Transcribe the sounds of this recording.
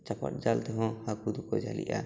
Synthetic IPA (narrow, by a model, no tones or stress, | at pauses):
t͡ʃapa̰ʈ̚d͡ʒalt̪ɔɦɔ̃hakud̪ukɔd͡ʒalḭʔa